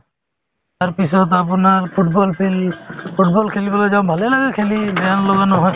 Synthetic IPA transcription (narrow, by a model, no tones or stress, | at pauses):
aɹpisɔt̪apunaɹpʰuʈbɔlpʰelpʰuʈ̚bɔlkʰelibɔlojzaʊ̃bʱalelaɡɛkʰelibɛanlɔɡanɔɦɔj